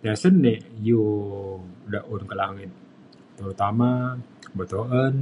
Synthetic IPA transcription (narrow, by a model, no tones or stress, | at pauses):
t̪asənːeju | daʔunkəlaŋɪt̪̚ | t̪əɾut̪amabət̪oʔən